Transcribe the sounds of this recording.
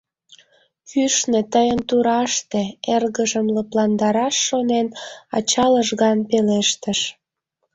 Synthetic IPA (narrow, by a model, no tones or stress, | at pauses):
kyʃnet̪əjənt̪uɾɑʃt̪eerɣəʒəmləplɑnd̪ɑɾɑʃːonenɑ̰t͡ɕɑləʒɣɑnpeleʃt̪əʃ